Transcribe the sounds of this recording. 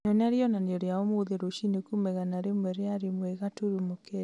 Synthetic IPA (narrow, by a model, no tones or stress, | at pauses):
ɔnɛaɾiɔnanjɔɾjaɔmoðeɾoʃinekumɛɣanaɾemwɛɾeaɾemwɛɣatuɾumokʰɛ